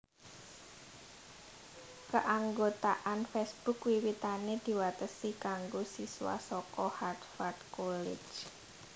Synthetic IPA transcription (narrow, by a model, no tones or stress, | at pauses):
kəʔaŋɡot̪aʔanfɛsb̥ʊkwiwit̪aned̪̥i̤wat̪əsikaŋɡosisuwa̰sɔkɔhard̪fard̪kolɪ̰̥d͡ʒ